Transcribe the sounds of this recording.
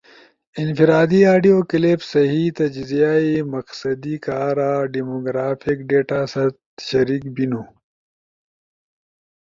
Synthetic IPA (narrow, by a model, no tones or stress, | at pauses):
infiɾaːd̪iaːɖijoːkilefsɐɦit̪ɐd͡ʒzijaːimɐqsɐd̪ikaːɾaːɖimoɡɾaːfʰikɖeːʈaːsɐt̪ɕɐɾiːkbinoː